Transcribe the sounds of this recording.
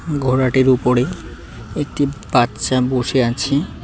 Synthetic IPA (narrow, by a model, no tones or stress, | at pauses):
ɡʱoɾaʈeɾupoɾe | ek̚ʈib̥at̪ːʃaboʃeat͡ɕʰe